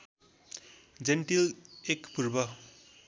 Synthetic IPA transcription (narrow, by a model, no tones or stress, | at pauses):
d͡ʒenʈilekpuɾbʌ